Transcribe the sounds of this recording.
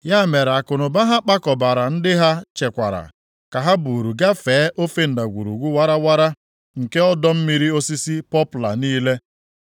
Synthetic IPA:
ja˦˨me˨ɾa˨kʊ˨nʊ˨ba˦ɦa˦k͡pa˦kɔ˨ba˨ɾa˨n̩˦dɪ˦ɦa˦t͡ʃe˨kʷa̰˨ɾa̰˨ | ka˨ɦa˦bu˨ɾu˨ɡa˦feː˨˦ʔo˦fe˦n̩˨da˨ɡʷṵ˨ɾṵ˨ɡʷu˦wa˦ɾa˦wa˦ɾa˦ | ŋ̩˨ke˦ɔ˦dɔ˦m̩˦mi˦ɾi˦o˦si˦si˦pɔ˦pʊ˨la̰˨niː˦le˦

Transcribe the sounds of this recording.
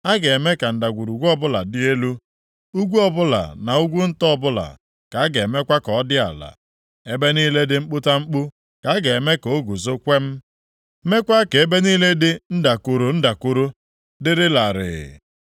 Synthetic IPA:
a˦ɡe˨e˨me˦ka˨n̩˨da˨ɡʷu˨ɾu˨ɡʷɔ˦bʊ˦la˨dɪ˦e˦lu˦ | u˦ɡʷu˦ɔ˦bʊ˦la̰˨na˨u˦ɡʷu˦n̩˦tɔ˦˨bʊ˦la̰˨ | ka˨˦a˦ɡe˨me˦kʷa˦kɔ˨ɔ˦dɪ˦a̰˨la̰˨ | e˦be˦niː˦le˦dɪ˦ŋ͡m̩˦k͡pʊ˦ta˦ŋ͡m̩˦k͡pu˦ | ka˨˦a˦ɡe˨e˨me˦ko˨˦ɡu˨zo˦kʷe˦m̩˦ | me˦kʷa˦ke˨e˦be˦niː˦le˦dɪ˦n̩˦da˨ku˨ɾo˨n̩˦da˨kʊ˨ɾu˦ | dɪ˦ɾɪ˦la˨ɾɪ̰˨

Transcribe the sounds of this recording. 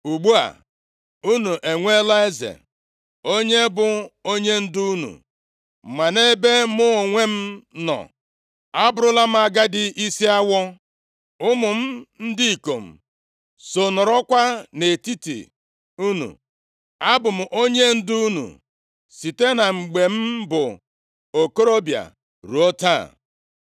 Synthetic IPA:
u˨ɡ͡bu˦a̰˨ | u˦nu˨ʔe˨ŋʷe˦la˦e˦zḛ˨ | o˦ɲe˦bʊ˦o˦ɲe˦n̩˦du˦u˦nṵ˨ | ma˨ne˦be˦mʊ˦˨ŋʷe˦m̩˦nɔ̰˨ | a˦bʊ˦ɾʊ˦la˦m̩˦a˦ɡa˦dɪ˦ʔi˦si˦a˦wɔ˦ | ʊ˦mʊ˨m̩˦n̩˦dɪ˦i˨ko˨m̩˨ | so˨nɔ˨ɾɔ˦kʷa˦ne˨ti˦tḭ˨ | u˦nṵ˨ | a˦bʊ˨m̩˨ʔo˦ɲe˦n̩˦du˦u˦nṵ˨ | si˨te˦na˨ŋ͡m̩˨ɡ͡be˨m̩˦bʊ˨ | o˨ko˦ɾo˦bja̰˨ | ɾu˨o˦ta̰˦˨

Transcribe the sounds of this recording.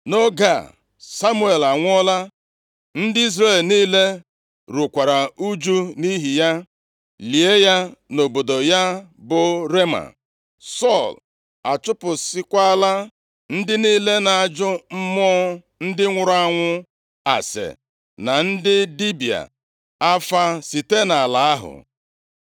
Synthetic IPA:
no˦ɡa̰˨ | sa˦mu˦e˨la˨ŋʷ˦ɔ˦la˦ | n̩˦dɪ˦i˦zre˦˨lniː˦le˦ | ɾu˨kʷa˨ɾa˨u˦d͡ʒu˦ni˦ɦi˨ja˦ | li˨e˦ja˦no˨bo˨do˨ja˦bʊ˨ɾe˦ma̰˨ | sɔ˦˨l | a˨t͡ʃʊ˦pʊ˨sɪ˦kʷa˦la˦ | n̩˦dɪ˦niː˦le˦na˨a˨d͡ʒʊ˦m̩˦mɔ˦ | n̩˦dɪ˦ŋʷʊ˨ɾa˦ŋʷʊ˦ | a̰˨sḛ˨ | na˨n̩˦dɪ˦di˦bi˨a̰˨ | a˦fa˦si˨te˦na˨a˨la˨a˦ɦʊ̰˨

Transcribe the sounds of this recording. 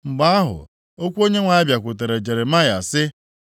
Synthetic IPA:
ŋ͡m̩˨ɡ͡ba˦a˦ɦʊ̰˨ | o˦kʷu˦o˦ɲe˦ŋʷa˨ɪ˦bja˨kʷʊ˨t̬e˨ɾe˨d͡ʒe˨ɾe˨ma˦ja̰˨sɪ˦

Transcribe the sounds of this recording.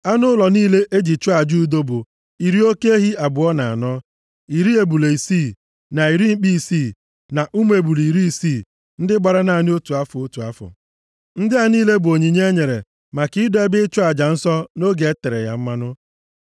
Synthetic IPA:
a˦nʊ˦lɔ˨niː˦le˦ʔe˦d͡ʒi˨t͡ʃɔ˦a˨d͡ʒu˦˨do˦bʊ˨ | i˨ɾi˦o˦ke˦e˦ɦi˦a˨bʊ˨ɔ˦na˨a̰˨nɔ˦ | i˨ɾi˦e˨bu˨le˨i˨siː˦˨ | na˨i˨ɾi˦ŋ͡m̩˦k͡pi˦˨siː˦˨ | na˨ʔu˦m˦e˨bu˨li˨ɾi˦i˦˨siː˦˨ | n̩˦dɪ˦ɡ͡ba˨ɾa˦na˨ni˦o˦tu˨a˦fʊ˨o˦tu˨a˦fʊ̰˨ | n̩˦dɪ˦a˨niː˦le˦bʊ˨o˨ɲi˨ɲe˦ɲe˨ɾe˨ | ma˨kɪ˨˦dɔ˦e˦bɪ˦ɪ˦t͡ʃɔ˦a˨d͡ʒa˨n̩˦sɔ˦no˦ɡe˨e˦te˨ɾḛ˨ja̰˨m̩˦ma˦nʊ˦

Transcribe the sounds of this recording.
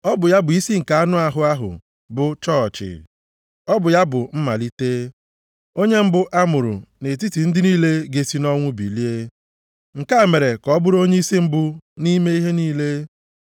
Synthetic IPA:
ɔ˦bʊ˨ja˦bʊ˨i˦si˦ŋ̩˨ka˨a˦nʊ˦a˦ɦʊ˨˦a˦ɦʊ̰˨ | bʊ˨t͡ʃɔ˦˨t͡ʃɪ̰˨ | ɔ˦bʊ˨ja˦bʊ˨m̩˦ma̰˨li˦teː˦ | o˦ɲe˦m̩˦bʊ˦ʔa˦mʊ˨ɾʊ̰˨ne˨t̬i˦ti˨n̩˦dɪ˦niː˦le˦ɡe˦si˦nɔ˦ŋʷʊ˦bḭ˨li˦e˦ | ŋ̩˨ka˦˨me˨ɾe˨kɔ˦bʊ˦ɾo˦ɲe˦i˦si˦m̩˦bʊ˦ni˦me˦i˦ɦe˦niː˦le˦

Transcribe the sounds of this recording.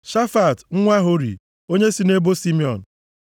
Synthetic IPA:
ʃa˦fa˨tŋ̩˦ŋʷa˦ɦo˦ɾḭ˨ | o˦ɲe˦si˨ne˦bo˦si˦mi˦ɔ˨n̩˨

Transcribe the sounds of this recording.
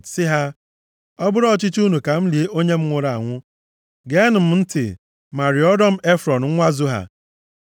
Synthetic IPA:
sɪ˦ɦa˦ | ɔ˦bʊ˦ɾɔ˦˨t͡ʃɪ˦t͡ʃu˦nu˨ka˨m̩˦li˨e˦ʔo˦ɲe˦m̩˦ŋʷʊ˨ɾa˨a˨ŋʷʊ˦ | ɡe˦nʊ˨m̩˦n̩˦tɪ̰˨ | ma˨ɾɪ˨ɔ˦dɔ˦m̩˦e˦fɾɔ˨n̩˨ŋ̩˦ŋʷa˦zʊ˦ɦa̰˨

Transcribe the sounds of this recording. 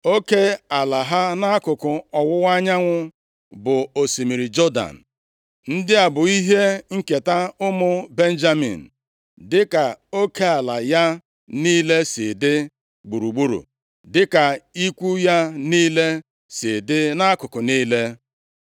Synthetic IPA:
o˦ke˦a˨la˨ɦa˦na˦a˦kʊ˨kʊ˨ɔ˨wʊ˦wʷa˦ɲa˦ŋʷʊ˦ | bʊ˨o˨si˨mi˨ɾi˨d͡ʒɔ˦da̰˨n̩˨ | n̩˦dɪ˦a˨bʊ˨i˦ɦe˦ŋ̩˦ke˨ta˦ʊ˦mʊ˦be˦n̩˦d͡ʒa˦mḭ˨n̩˨ | dɪ˦ka˨o˦kʰe˦a˨la˨ja˦ | niː˦le˦sɪ˨dɪ˦ | ɡ͡bu˨ɾu˨ɡ͡bu˦ɾṵ˨ | dɪ˦ka˨i˦kʷu˦ja˦niː˦le˦ | sɪ˨dɪ˦na˦kʊ˨kʊ˨niː˦le˦

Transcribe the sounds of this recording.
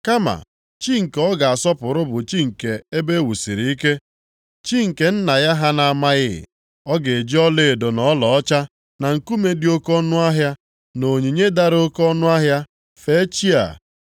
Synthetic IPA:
ka˦ma̰˨ | t͡ʃi˦ŋ̩˨kɔ˦ɡa˨a˨sɔ˦pʊ˨ɾʊ˦bʊ˨t͡ʃi˦ŋ̩˨ke˨e˦be˦wu˨si˨ɾi˨i˦ke˦ | t͡ʃi˦ŋ̩˨ke˨˦n̩˦na˨ja˦ɦa˦na˨a˨ma˦ɣɪ̰˦˨ | ɔ˦ɡe˨e˨d͡ʒi˦ɔ˦le˦˨do˨nɔ˨˦lɔ˨ɔ˦t͡ʃa˦ | na˨ŋ̩˨ku˦me˦dɪ˦o˦kɔ˦nʊ˦a˦ɦja˦ | no˨ɲi˨ɲe˦da˦ɾo˦kɔ˦nʊ˦a˦ɦja˦ | fe˨˦t͡ʃi˦a̰˨

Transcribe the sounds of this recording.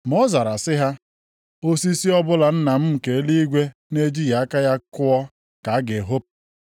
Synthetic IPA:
mɔ˦za˨ɾa˨sɪ˦ɦa˦ | o˦si˦si˦ɔ˦bʊ˦la˨n̩˦na˨m̩˦m̩˨ke˨˦li˦ɡʷe˦ne˦d͡ʒi˦ja˨a˦ka˦ja˦kʊ˦ɔ˦ | ka˨a˦ɡe˨ɦo˦p̚

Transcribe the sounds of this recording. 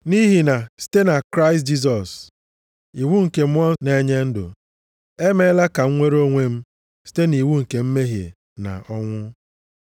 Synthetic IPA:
ni˦ɦi˨na˨si̥˦te˦na˨kɾa˦ɪ˨st̚d͡ʒi˦s̬ɔ˨s | i˨wu˦ŋ̩˨ke˨m̩˦ɔ˦ne˨˦ɲe˦n̩˦dʊ̰˨ | e˦me˦la˦ka˨ŋ̩˦ŋʷe˦ɾo˦ŋʷe˦m̩˦ | si̥˦te˦ni˨wu˦ŋ̩˨ke˨m̩˦me˦ɦjḛ˨ | na̰˨ʔɔ˦ŋʷʊ˦

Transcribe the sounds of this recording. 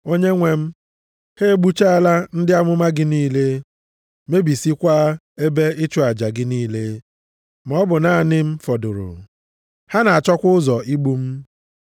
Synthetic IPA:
o˦ɲe˦ŋʷe˦m̩˦ | he˦ɡ͡bu˦t͡ʃa˦a˨la˦n̩˦dɪ˦a˦mʊ˦ma˦ɡɪ˦niː˦˨le˦ | me˦bi˨si˦kʷa˦ | e˦be˦ʔɪ˦t͡ʃʊ˨a˨d͡ʒa˨ɡɪ˦niː˦le˦ | mɔ˦bʊ˨na˨nɪ˦m̩˦fɔ˨dʊ˨ɾʊ̰˨ | ha˦na˨a˨t͡ʃɔ˦kʷʊ˦ʊ˦zɔ˨i˦ɡ͡bu˦m̩˦

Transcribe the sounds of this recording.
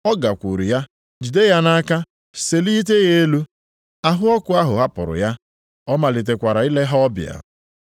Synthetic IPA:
ɔ˦ɡa˨kʷu˨ɾḭ˨ja˦ | d͡ʒu˨de˦ja˦na˦a˦ka˦ | se˨li˦t̬e˦ɣe˦e˦lu˦ | a˨ɦʊ˦ɔ˦kʊ˨˦a˦ɦʊ˨ɦa˦pʊ̰˨ɾʊ̰˨ja˦ | ɔ˦ma˨li˨t̬e˨kʷa˨ɾa˨i˦le˦ɦa˦ɔ˦bj̰a̰˨

